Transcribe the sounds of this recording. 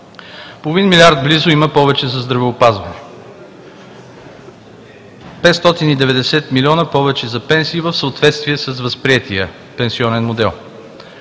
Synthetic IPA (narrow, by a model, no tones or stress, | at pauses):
polˠʊvinmilʲiaɾd̪̚blizʊiməpɔvɛt͡ʃɛzɐzd̪ɾɐvɛopazvɐnɛ | pɛt̪st̪ɔt̪inid̪ɛvɛd̪ɛsɛt̪milʲiɔnəpɔvɛt͡ʃɛzɐpɛnsiːvəfsəot̪vɛt̪st̪viɛsəs̬vəspɾiɛt̪ʰiə | pɛnsiɔnɛnmod̪ɛlˠ